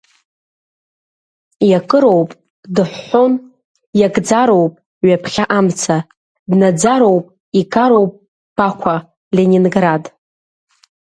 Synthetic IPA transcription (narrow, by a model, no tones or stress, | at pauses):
jakʼɨɾo̞wpʼ | dɨħʷːon | jaɡʼd͡zaɾo̞wpʼ | ɥapʰχʲaʔamt͡sʰa | dnad͡zaɾo̞wpʼ | ikʰʼaɾowpʼ | b̥akʷʰa | lenʲinɡrad